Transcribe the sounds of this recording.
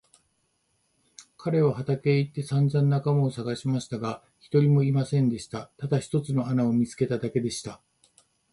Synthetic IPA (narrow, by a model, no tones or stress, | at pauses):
kʰaɾe̞β̞ahat̪ake̞it̪ːe̞sãnd͡zãnːakamaosaɡaɕimaɕi̥t̪aɡa | çi̥t̪o̞ɾʲimo̞imasẽ̞nd̪e̞ɕi̥t̪at̪ad̪açi̥t̪o̞t͡sɨno̞anao̞mʲit͡sɨ̥ke̞t̪ad̪ake̞d̪e̞ɕi̥t̪a